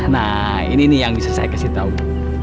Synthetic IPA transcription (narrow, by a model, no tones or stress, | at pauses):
nah | ḭniːnijaŋdisərsa̰jkasiht̪au